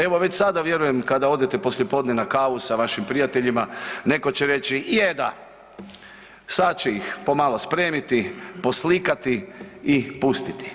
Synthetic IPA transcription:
e̞ʋo̞ʋe̞t͡ɕsad̪aʋje̞ɾujemkad̪ao̞d̪jet̪e̞po̞slʲje̞po̞d̪ne̞nakaːʋusaʋaʃimpɾijat̪e̞ʎimane̞ko̞t͡ɕeɾe̞t͡ɕiijed̪a | sad̪t͡ɕeixpo̞malo̞spɾe̞ːmit̪ipo̞slikat̪iipust̪it̪i̥

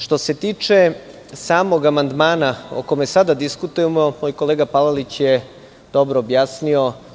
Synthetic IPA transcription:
ʃt̪o̞se̞t̪iːt͡ʂe̞ | saːmoɡamand̪maːnao̰ko̞mesad̪ad̪iskut̪ujemo̞moːjko̞leːɡapalalit͡ɕje | d̪̥obɾoːbjaːsnio̞

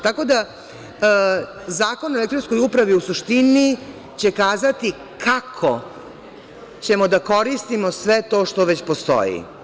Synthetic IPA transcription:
t̪ako̞d̪a | zaːko̞nolekt̪ɾonsko̞jupɾaʋiusuʃt̪ini | t͡ɕe̞kaːzat̪i | kʰakʰo | t͡ɕe̞mod̪ako̞ɾist̪imosʋet̪o̞ːʃt̪o̞ʋet͡ɕpost̪o̰jḭ

